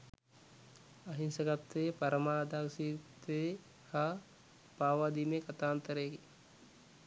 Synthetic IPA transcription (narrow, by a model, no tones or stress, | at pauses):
ɐɦinsəɡat̪ːepɐɾəmaːd̪aksiːt̪e | ha | paːʋaːd̪imekat̪aːnt̪əɾəki